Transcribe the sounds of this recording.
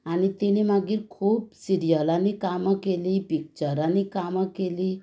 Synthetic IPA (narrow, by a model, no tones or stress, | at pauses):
anit̪enemaɡiːɾkʰuːpsiɾijəlanekaməkelipik̚t͡ʃəɾanekamakeli